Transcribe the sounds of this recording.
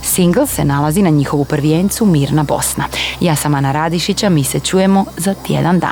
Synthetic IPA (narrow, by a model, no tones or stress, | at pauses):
siŋɡl̩ˠse̞nalˠazinaɲixo̞ʋupr̩ʋjeːnt̪sumiːɾnabo̞̰sna̰jaːsamanaɾad̪iʃit͡ɕamiːset͡ɕuːje̞mo̞zat̪jḛd̪and̪a̰ː